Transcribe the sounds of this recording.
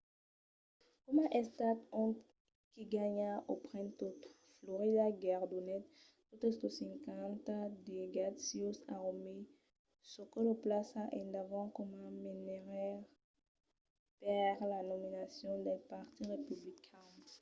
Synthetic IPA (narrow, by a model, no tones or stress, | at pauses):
kɔmãʔɛst̪at̪ɔ̃t̪ | kiɡaɲaʔopχɛ̃nt̪ot | floʁid̪aɡɛʁd̪onɛt̪̚ | tut̪əst̪osɛ̃ŋkãnt̪ad̪eɡad̪siosaʁome | sokɔləplasaʔɛ̃nd̪avɑ̃kɔmãmineʁɛʁ | paʁlanɔminasjɔ̃d̪ɛpaʁt̪iʁepyblikʰɛ̃